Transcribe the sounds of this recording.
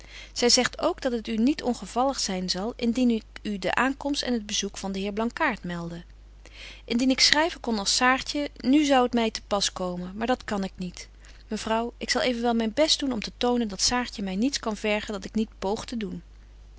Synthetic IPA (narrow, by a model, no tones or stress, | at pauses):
z̥ɛjzɛχtʰowɡdɑtətynitʰɔnχəv̥ɑləχsɛjnzɑlˠɪndinydə̰ʔaːŋkɔmstɛ̰nəd̚bəzukfɑndəɦɪːɹblɑŋkaːɹtmɛlˠdə | ʔɪndinɪksrɛjvəkɔnɑlˠsaːɹtənyzʌwətmɛjtəpɑskowmənmaːɹdɑtkɑnɪknit | məvrʌwʔɪksɑlˠejvənʋɛlˠmɛjnbɛsd̚d̥unɔmtətownəndɑtsaːɹtəmɛjnitskɑnvɛɹχəndɑtɪknitpowχtədun